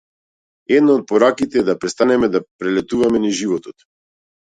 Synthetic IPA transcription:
ɛd̪naɔt̪̚pɔɾakit̪ɛːd̪apɾɛst̪anɛmɛd̪apɾɛlɛt̪uvamɛniʒivɔt̪ɔt̪

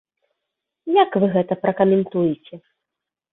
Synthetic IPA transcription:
jakvɨɣɛt̪ɐpɾɐkɐmʲɛnt̪ujit͡sʲɛ

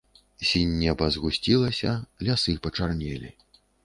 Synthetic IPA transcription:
sʲinʲːɛbɐzɣusʲt͡sʲilˠɐsʲɐlʲasɨpɐt͡ʂarnʲɛlʲḭ

